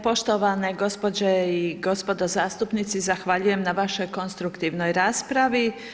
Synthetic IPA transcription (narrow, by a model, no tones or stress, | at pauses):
po̞ʃt̪o̞ʋaneɡo̞spo̞d͡ʑeiɡo̞spo̞d̪o̞zaːst̪upnit̪sizaxʋaʎuje̞mnaʋaʃo̞jko̞nst̪ɾukt̪iʋno̞jɾaːspɾaʋi